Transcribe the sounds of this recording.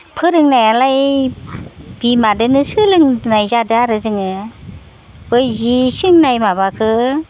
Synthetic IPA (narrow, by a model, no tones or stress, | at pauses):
pʰɯɾɯŋnajalaj | b̥imadɯnɯsɯlɯŋnajzadɯaɾɯzɯŋɯ | bɯjzisɯŋnajmabakʰɯ